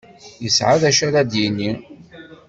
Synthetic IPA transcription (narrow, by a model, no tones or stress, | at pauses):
jəsʕaðæʃæɾæd̪jinːi